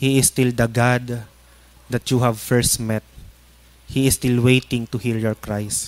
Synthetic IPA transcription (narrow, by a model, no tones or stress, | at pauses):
hiɪst̪ɪld̪ɐɡad̪ | d̪ɐt̪t͡ʃuhavfɛɹst̪mɛt̪̚ | hiɪst̪ɪlwejt̪ɪ̃ŋt̪ʊhiljɔɹkɹajs